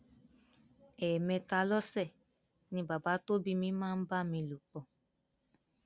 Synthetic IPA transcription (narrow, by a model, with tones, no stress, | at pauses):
ɛ˨mɛ̃˧ta˧lɔ˦sɛ˦˨ | nĩ˧ba˨ba˨˦to˦bi˦mĩ˨˦mãː˦n̩˦ba˦mĩ˧lu˨k͡pɔ˨